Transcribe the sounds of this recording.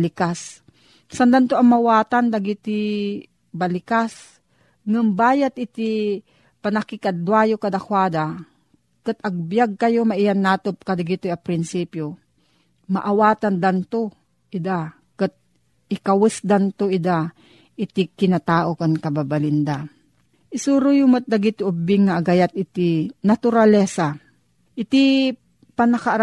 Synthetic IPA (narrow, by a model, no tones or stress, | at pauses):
lɪkas | sand̪ant̪oʔɐŋmawaːt̪and̪aɡit̪i | balɪkas | ŋɨmbaːjat̪̚ɪt̪i | panakɪkad̪wajokad̪akwaːd̪a | kat̪̚ɐɡ̚bjaɡ̚kɐjomaʔɪjanːaːt̪op̚kad̪aɡit̪ojapɾɪnsiːpjo | ma̰ʔawaːt̪and̪ant̪o | ʔɪd̪a | kat̪̚ | ɪkawɪsd̪ant̪oʔɪd̪a | ʔɪt̪ikɪnat̪aːʔokankɐbabalɪnd̪a | ʔɪsuɾʊjʊmɐt̪̚d̪aɡit̪oʔʊbɪŋːaʔːɡajat̪̚ʔɪt̪inat̪uɾalɛsa | ʔɪt̪i | panɐka